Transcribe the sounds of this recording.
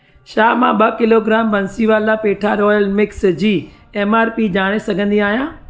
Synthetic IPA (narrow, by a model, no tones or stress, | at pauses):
ʃaːmã̰ɓɐkɪloɡɾaːmbɐ̃nsiʋaːlapeːʈʰaɾɔːjəlmɪksd͡ʑiː | eːmaːɾpid͡ʑaːɽ̃esɐɡʱə̃nd̪iaːɦijãː